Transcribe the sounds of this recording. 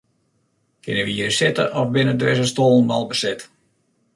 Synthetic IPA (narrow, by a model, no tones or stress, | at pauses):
kʰɪnəʋiərəsɪtə̰ʔɔfbɪnədʋɪsəstoːlˠnmalˠbəsɪt